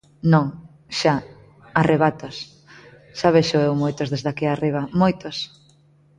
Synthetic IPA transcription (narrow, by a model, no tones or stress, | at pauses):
nõŋ | ʃa | areβat̪os | ʃaβeʃoewmojt̪ozðezðakiariβ̞ɐmojt̪os